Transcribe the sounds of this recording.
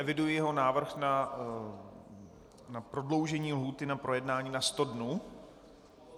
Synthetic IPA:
ɛvɪdujɪjɛɦo̞naːvr̩xna | napɾo̞dlo̞wʒɛɲiːlɦuːt̪ɪnapɾo̞jɛdnaːɲiːnast̪o̞dnuː

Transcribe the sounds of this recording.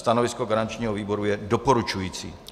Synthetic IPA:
st̪anovɪskoɡaɾant͡ʃɲiːɦoviːbo̞ɾujɛdopo̞ɾut͡ʃujiːt͡sḭː

